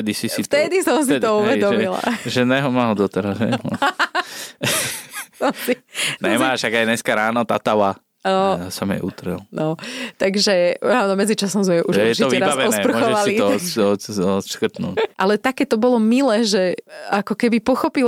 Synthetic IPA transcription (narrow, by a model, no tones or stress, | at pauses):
ɛd̪isisift̪ɛd̪isɔms̬it̪ɔuʋɛd̪ɔmila̰ʒɛnɛɦɔmaːɦɔd̪ɔt̪ɛɾazɦɛ̰j | sɔmsinɛmaʃaɡaj̪ɲɛskaɾaːnɔt̪at̪awa | ɔsamjɛ̰ʔut̪ɾ̩ɛlnʔɔt̪aɡʒɛaːnɔmɛd͡zit͡ʃasɔmzmɛʔuʒɛjɛsiɔtɛiɾabazɛɔɛspr̩ɔxɔɛʋalsiiɔɔt̪ɔt̪ʃkr̩t̪nṵːʔalɛt̪akɛːt̪ɔbɔlɔmilɛːʒɛakɔkɛbipɔxɔpil